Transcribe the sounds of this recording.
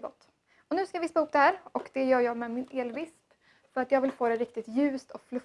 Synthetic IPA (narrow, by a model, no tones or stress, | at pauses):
ɡɔ̰t̪ː | ɔnʉ̟ːskajɑvɪspahʊpːd̪ɛhæːɾɔkd̪̥ɛjœːɾjɑːmɛmɪneːlvɪsp | fœɾat̪jɑːɡvɪlfoːɾɛɾɪkt̪ɪt̪jʉ̟ːst̪ɔflɵ